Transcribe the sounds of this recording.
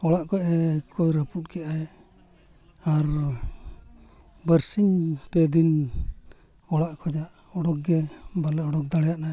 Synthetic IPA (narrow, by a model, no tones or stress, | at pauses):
ɔɽaʔkɔʔɛkʰɔjɾəput̪̚ˀkɛʔajɛ | aɾ | bəɾsiɲpɛd̪in | ɔɽaʔkɔd͡ʒaʔɔɽɔk̚ɡɛbalɛɔɽɔk̚d̪aɽɛjaʔnaj